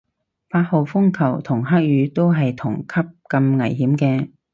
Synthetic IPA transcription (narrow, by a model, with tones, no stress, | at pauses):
paː˧t̚ho˨˧wfʊ˥ŋkʰɐ˨˩wt̪ʰʊ˨˩ŋɦaː˥k̚jyː˨˧t̪o˥wɦɐ˨jt̪ʰʊ˨˩ŋkʰɐ˥p̚kɐ˧mŋɐ̰˨˩jɦiː˨˥mkɛː˧